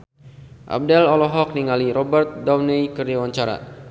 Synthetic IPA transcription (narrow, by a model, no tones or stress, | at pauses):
ʔa̰b̚dɛlɔlɔɦɔk̚niŋaliɾɔbərt̪̚dawnɛjkərdawaɲt͡ʃaɾa̰